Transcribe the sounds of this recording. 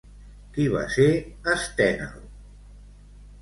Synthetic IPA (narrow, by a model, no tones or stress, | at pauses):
kiβa̰seəst̪ɛna̰l